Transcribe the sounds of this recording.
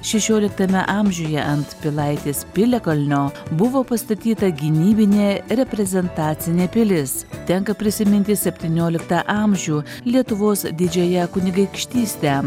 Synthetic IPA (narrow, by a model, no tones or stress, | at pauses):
ʃʲɛʃʲoːlʲɪkt̪ɐmʲɛ̰ʔɑːmʲʒʲuːjɛʔɐnt̪pʲɪlˠɐɪt̪ʲeːspʲɪlʲɛkɐlʲnʲoːbʊʋoːpɐst̪ɐt̪ʲiːt̪ɐɡʲɪnʲiːbʲɪnʲeːɾʲɛpʲɾʲɛzʲɛnt̪ɑːt̪sʲɪnʲeːpʲɪlʲɪst̪ʲɛŋkɐpʲɾʲɪsʲɪmʲɪnʲt̪ʲɪsʲɛpʲt̪ʲiːnʲoːlʲɪkt̪ɑʔɑːmʲʒʲuː | lʲiɛt̪ʊʋoːsd̪ʲɪd͡ʒʲɛjɛkʊnʲɪɡɐɪkʃʲt̪ʲiːsʲt̪ʲɛ